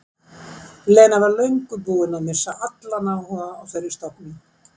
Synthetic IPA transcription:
leːjnavaɾlœɥŋkʏpuːɪnamɪ̥saʔat̪lanaːwhɔːɣaːwfɛjɾːɪ̥st̪ɔpnɪ

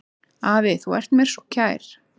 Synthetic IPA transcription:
aːvɪθuɛr̥t̪mɛɾ̥sɔcʰaːjɾ̥

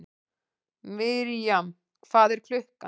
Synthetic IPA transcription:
mɪɾjam | kʰvaːðɛɾ̥kʰl̥ʏhka

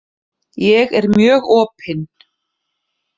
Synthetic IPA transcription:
jɛɣɛɾmjœːɣɔːpʰɪn

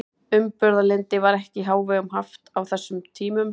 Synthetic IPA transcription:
ʏmpʏɾðalɪnt̪ɪvaɾɛhcɪɦaːwvɛːɣʏmɦaft̪awθɛsːʏmt̪ʰiːmʏm

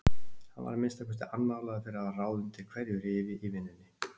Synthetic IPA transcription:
hanva̰ɾmɪnst̪akvɛst̪ɪ̰ʔanːawlaːɣðafɪɾɪɾavaraːwðʏnt̪ʰɪlkʰv̥ɛɾjʏɾɪːvɪʔivɪnːɪnːɪ

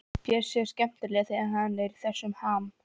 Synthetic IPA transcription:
pjɛɾ̥sjɛ̥scɛm̥t̪ʏɾlɛːɣθɪɛnhaðnlɛːɾiθɛsːʏmhaːm

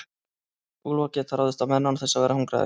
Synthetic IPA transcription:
ulɔcɪt̪ʰaɾawðɪst̪amɛnːanθɛsːavɛːɾahuŋkɾa̰ð̰

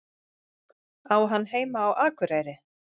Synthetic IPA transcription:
aːwɦanːɦeːjmaːwʔaːkʏɾaːjɾɪ

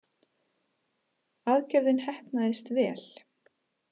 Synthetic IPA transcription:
aðcɛɾðɪnhɛhpnaðɪst̪vɛːl̥

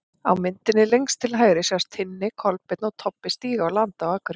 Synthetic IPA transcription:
a̰wmɪnt̪ɪnːɪlejŋst̪ʰɪlɦaːjɾɪsjawst̪ʰɪnːɪkʰɔlpɪt̪nɔwt̪ʰɔpːɪst̪iːɣaawlant̪awaːkʏɾɪ

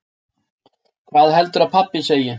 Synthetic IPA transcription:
kʰvaːðɦɛl̪t̪ʏɾaðpʰapːɪseːjɪ

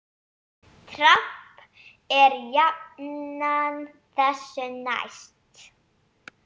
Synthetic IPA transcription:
t̪ʰɾap | ɛɾjapnan | θɛsʏna̰jst̪

